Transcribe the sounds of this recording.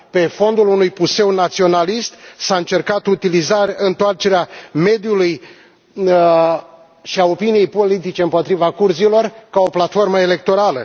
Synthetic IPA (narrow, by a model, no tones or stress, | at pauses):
pe̞fo̞nd̪ulunujpuse̞wnat̪sio̞nalist̪saɨnt͡ʃe̞rkat̪ut̪ilizaɾɨnt̪oart͡ʃe̞ɾeame̞d̪juluj | ʃiao̞pinije̞jpo̞lit̪it͡ʃe̞ɨmpo̞t̪ɾivakurzilo̞rkao̞plat̪fo̞rməe̞le̞k̚t̪o̞ɾalə